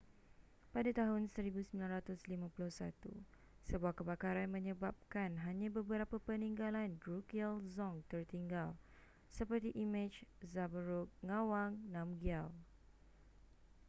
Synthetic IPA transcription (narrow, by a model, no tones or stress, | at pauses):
padat̪aɦʊnsəɾibusəmbilanɾat̪ʊslimãpulʊhsa̰t̪ṵ | səbuahkəbakaɾanmə̃ɲəbap̚kanɦaɲãbəbəɾapapənĩŋɡalandɾukiɛlzɔŋt̪ərt̪iŋɡal | səpərt̪iʔimɪd͡ʒzabəɾuk̚ŋawaŋnãmɡial